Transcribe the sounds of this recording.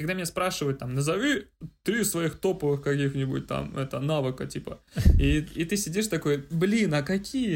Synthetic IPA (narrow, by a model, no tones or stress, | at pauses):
kɐɡd̪amʲnʲeaspɾaʂɨvəjʊt̪̚t̪amnəzɐvʲit̪ɾʲisvɐixt̪o̞pəvɨxkɐkʲixnʲɪbṵt̚ʲt̪a̰mɛt̪ənavɨkətʲipəiit̪ɨsʲɪdʲiʂt̪ɐko̞jblʲinakɐkʲʰijə